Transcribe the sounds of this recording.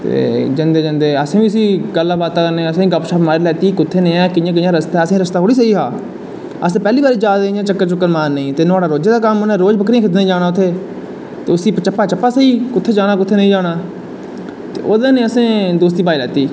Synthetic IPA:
t̪ḛːd͡ʒənd̪eːd͡ʒənd̪eːəsẽːbiːəs̬iːɡəlːaːbaːt̪aːkəɾnẽːəsẽːiːɡəpʃaːpmaːɾilɛːt̪iːkʊt̪ʰːeːnẽːãːkɪjãːkɪjãːɾəst̪aːəsẽːɾəst̪aːɦoːɽiːs̬əiːɦaː | əsẽːpɛːliːbaːɾiːd͡ʒaːd̪ẽːjãːt͡ʃəkːəɾt͡ʃʊkːəɾmaːnːĩːt̪eːnʊaːɽaːɾoːd͡ʒeːd̪aːkəmʊnãːɾoːd͡ʒbəkɾĩkɪd̪̬naĩd͡ʒaːɽ̃aːʊt̪ʰːeː | t̪eːʊsiːpt͡ʃəpːaːt͡ʃəpːaːsəiːkʊt̪ʰːeːd͡ʒaːɽ̃aːk̬ʊt̪ʰːeːnəĩːd͡ʒaːɽ̃aː | t̪eːʔoːd̪ẽnẽːəsẽːd̪oːst̪iːpaːiːlɛːt̪iː

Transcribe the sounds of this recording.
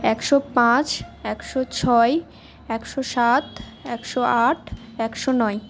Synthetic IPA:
ɛkʃopãt͡ɕɛkʃot͡ɕʰɔe | ɛkʃoʃat̪ | ɛkʃoaʈʰ | ɛkʃonɔj

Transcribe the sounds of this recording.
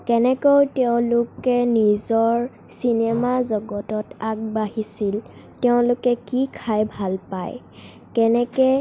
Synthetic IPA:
kɛnɛkowtɛʊ̃lʊkɛnizɔɹ | sinemazɔɡɔtɔtak̚baɦisil | tɛʊ̃lʊkɛkikʰajbʱalpa̰j | kɛnɛkɛ

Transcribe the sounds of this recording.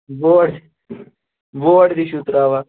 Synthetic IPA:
ʋoɽ | ʋoɽd̪iɕut̪ɾaːʋa

